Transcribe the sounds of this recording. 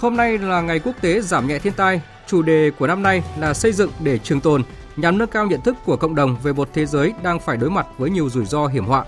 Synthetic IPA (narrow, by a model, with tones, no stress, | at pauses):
ho˧mna˧jlaː˨˩ŋa˨˩jku˦˥ək̚t̪e˨˦zaː˧˩mɲɛ̰˧˨t̪ʰi˧nt̪aː˧j | t͡ɕu˧˩ɗe˨˩ku˧˩əna˧mna˧jlaː˨˩sə˧jzɨ̰˧˨ŋɗe˧˩t͡ɕɨ˨˩əŋt̪o˨˩n | ɲa˨˩mnəː˧kaː˧wɲə̰˧˨ənt̪ɨ˦˥kːu˧˩əkə̰˧˨wŋ͡mɗə˨˩wŋ͡mve˨˩mo˨˩t̚t̪ʰe˨˦zəː˨˦jɗaː˧ŋfaː˧˩jɗo˨˦jma˨˩t̚vəː˨˦jɲi˨˩əwzu˧˩jzɔ˧ɦi˧˩əmhwa̰ː˧˨ʔ